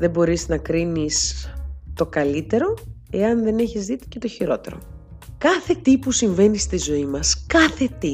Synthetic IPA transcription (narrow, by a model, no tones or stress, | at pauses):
ðe̞bo̞ɾiznɐkɾinist̪o̞kɐlit̪e̞ɾo̞e̞ɐnðe̞neçizðit̪i̥ce̞t̪o̞çiɾo̞t̪e̞̰ɾo̞̰ | kɐθe̞t̪ipusiɱve̞nist̪izo̞imɐskɐθe̞t̪i